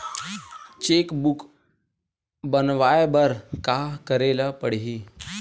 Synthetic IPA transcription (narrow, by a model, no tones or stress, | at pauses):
t͡ɕekbuk | bənʋajbəɾkakəɾeləpəɽɦiː